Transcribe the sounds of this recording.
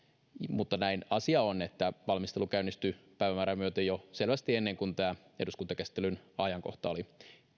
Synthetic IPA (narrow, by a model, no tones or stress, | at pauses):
mut̪ːɑnæinɑsiɑonet̪ːæʋɑlmist̪elukæynːist̪ypæiʋæmæːɾæmyøt̪ejoselʋæst̪ienːeŋkunt̪æː | e̞duskunt̪ɑkæsi̥t̪ːˑelynɑjɑŋko̰ht̪ɑoli